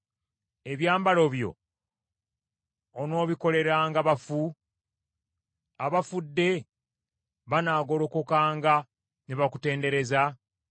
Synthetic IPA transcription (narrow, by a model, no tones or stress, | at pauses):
eβjaːmbalo̞βjo̞̰ | no̞ːβiko̞le̞ɾaːŋɡaβafu | aβafudːe̞ | βanaːɡo̞lo̞ko̞kaːŋɡa | neβakute̞ːnde̞ɾe̞za